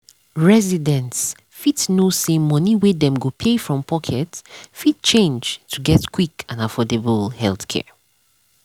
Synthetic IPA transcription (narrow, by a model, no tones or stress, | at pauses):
ɹɛzidɛ̃nts | fitnosẽmːʌniwedɛ̃mɡopʰefɹɔ̃mpʰɔkʰɛtfid̚t͡ʃẽnd͡ʒtʰuɡɛtkʰwikãnafɔdebəlhɛlˠθkʰɛ̰